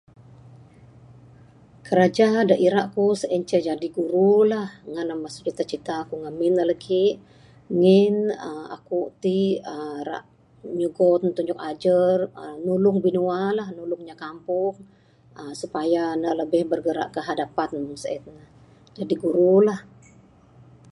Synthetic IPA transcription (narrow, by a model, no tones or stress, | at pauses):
kəɾad͡ʒadaʔiɾaʔkusəʔɛnt͡ʃəd͡ʒadiɡuɾulahŋanamasuʔt͡ʃit̪at͡ʃit̪akuŋamɪnalakʰiʔ | ŋɪnəa̰kut̪iəɾa̰ʔ | ɲuɡɔt̪nt̪uɲd͡ʒʊk̚ad͡ʒərənulʊŋbinualahnulʊŋɲakampʊŋ | əsupajanaʔləbɪhbərɡəɾa̰ʔkəɦadapansəɛt̪̚nah | d͡ʒadiɡuɾulah